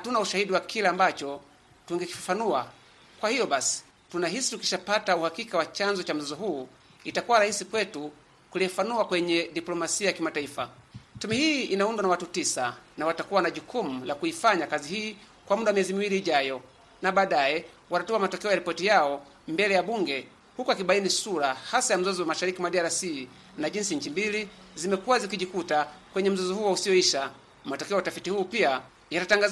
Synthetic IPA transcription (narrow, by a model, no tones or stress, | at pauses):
hatunauʃahiɗiwakilaːmbat͡ʃɔ | tuŋɡɛki̥fḁfanua | kwahijɔɓasi̥ | tunaɦisi̥tuki̥ʃapatauhakikawat͡ʃanzɔt͡ʃam̩zɔzɔɦuː | itakuwaɾahisikwɛtu | kuliɛfanuakwɛɲɛɗiplɔmasiajakimataifatumɛhiːinaundwanawatutisanawatakuwanaʄukumulakuifaɲakaziɦiː | kwam̩uɗamiɛzimiwiliːʄajɔ | naɓaːɗajɛ | wanatɔamatɔkɛɔjaɾipɔtijaɔ | mbɛlɛjaɓuŋɡɛ | hukuakiɓainisuɾahasajam̩zɔzɔwamaʃaɾikimaɗiaɾasi | naʄinsiɲ̩t͡ʃimbilizimɛkuwazikiʄikutakwɛɲɛm̩zɔzɔhuwausijɔiʃa | matɔkɛɔjatafitihuːpia | jatataŋɡaz